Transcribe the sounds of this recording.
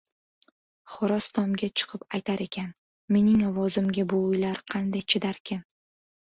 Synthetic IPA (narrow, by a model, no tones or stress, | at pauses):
χʊɾɒst̪ʰɒmɡʲat͡ʃʰɨ̥qʰɨpajt̪ʰaɾe̞kʲʰan | me̞nɪŋɒvɒzɪmɡʲabʊːjlaɾqʰɑnd̪ajt͡ʃʰɪd̪aɾkʲʰɪn